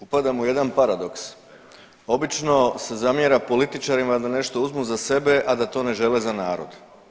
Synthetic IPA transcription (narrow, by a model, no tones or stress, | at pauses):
upad̪amuje̞d̪anpaɾad̪o̞ks | o̞bit͡ʃno̞se̞zamje̞ɾapo̞lit̪it͡ʃaɾimad̪ane̞ʃt̪o̞uzmuzase̞be̞ʔad̪at̪o̞ne̞ʒe̞lezanaːɾo̞̰d̪